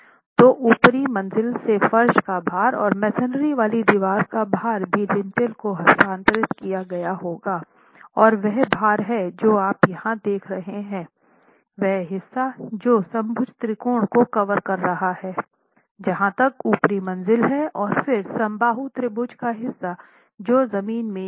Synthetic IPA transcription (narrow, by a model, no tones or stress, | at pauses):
t̪oːʔuːpɾimɐ̃nzɪlsefɐɾʃkabʱaːɾɔ̰ːɾmɛːsənɾiʋaːlid̪iʋaːɾkabaːɾbʱilɪ̃nt̪ɪlkoɦɐst̪ãːnt̪əɾɪt̪kijaɡɐjaɦoːɡaː | ɔːɾʋɛɦbʱaːɾɦɛd͡ʒoːaːpjɐhãd̪eːkʰɾɐɦeɦɛ̃ː | ʋɛɦɦɪsːad͡ʒoːsɐ̃mbʱʊd͡ʒt̪ɾɪkoːɽ̃kokɐʋəɾkɐɾːɐɦahɛː | d͡ʒɐɦãt̪ɐkuːpɾimɐ̃nzɪlɦɛɔːɾfɪɾsɐ̃mbaːɦut̪ɾɪbʊd͡ʒkaɦɪsːa | d͡ʒoːzɐmiːnmẽ